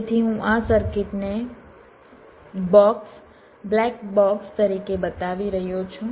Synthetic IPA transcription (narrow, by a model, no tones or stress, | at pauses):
t̪ʰiɦũʔasəɾkɪʈne | bɔks | blɛkbɔkst̪əɾikebət̪aʋiɾəɦjot͡ʃʰũ